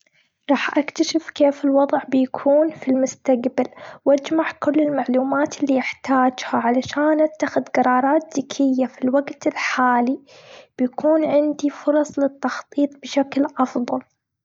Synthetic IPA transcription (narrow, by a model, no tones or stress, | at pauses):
ɾˤɑːħʔakt̪aʃɪfkeːfɪlwɑðˤʕbɪjakʰuːnfilmʊst̪aqbalwʔad͡ʒmaʕkʊlːɪlmaʕluːmaːt̪ɪlːiːʔɪħt̪aːd͡ʒhaʕalaʃaːnʔat̪ːaxɪðɡɑɾˤɑːɾˤɑːt̪̚ðɪkʰɪjːafilwaɡt̪ɪlħaːli | b̥ɪjakʰuːnʕɪnd̪ifʊɾˤɑsˤlɪt̪ːɑxt̪ˤiːt̪̚ˤbɪʃaklʔɑfðˤɑl